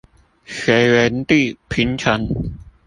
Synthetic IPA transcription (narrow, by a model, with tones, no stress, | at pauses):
xe˧wɛ˧nt̪i˥˩pʰi˦˥nt͡ɕʰa˦˥n